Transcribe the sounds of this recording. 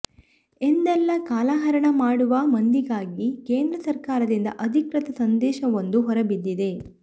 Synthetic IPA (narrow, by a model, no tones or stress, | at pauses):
end̪ɛlːɐkaːlaːɦɐɾɐɳɐmaːɽuʋɐmɐnd̪iɡaːɡikeːnd̪ɾɐsɐɾkaːɾɐd̪ind̪ɐ̰ʔɐd̪ʱikɾɐt̪ɐsɐnd̪ɛːʃɐʋond̪uɦɔɾɐbid̪ːid̪e̞